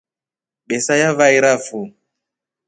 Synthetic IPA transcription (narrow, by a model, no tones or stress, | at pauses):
ɓɛsajavaiɾafu